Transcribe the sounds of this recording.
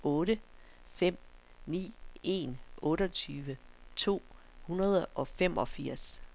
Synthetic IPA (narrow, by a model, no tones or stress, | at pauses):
ɔ̽ːɾə | fem̰ | nḭːe̝nʔɔ̽ːɾəɒt͡sʰyːʋət͡sʰo̝̰ː | hunɐð̞ˠʔɒ̽fem̰ɒ̽fiɐ̰s